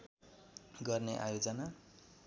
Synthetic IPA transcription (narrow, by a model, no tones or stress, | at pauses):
ɡʌrneʔa̰jod͡zʌna